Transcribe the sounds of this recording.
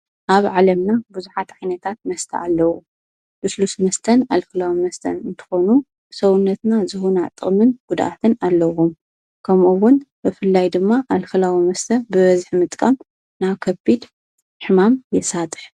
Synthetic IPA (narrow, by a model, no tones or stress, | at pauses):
ʔaβʕalɐmnabuzuħat̪ʕajnɐt̪ʰat̪̚mɐst̪ʰɐ̰alːɐwu | ʔɨslusmɐst̪ʰɐnalkɨlawimɐst̪ʰɐ̰nɨnt̪ʰɨ̥xonu | sɐwʊnːɐt̪nazɨhunat̪ʼːɨχʼmɨnɡ̥ud̪ʔa̰t̪ʰɨnalːɐwum | kʰɐmuwːʊnbɨfɨlːajd̪ɨmːaʔalkɨlawimɐst̪ʰɐbɨβɐzɨħmɨt̪ʼkʼɐm | naβkʰɐbid̪ | ħɨmamjɛsat̪ʼɨ̥ħ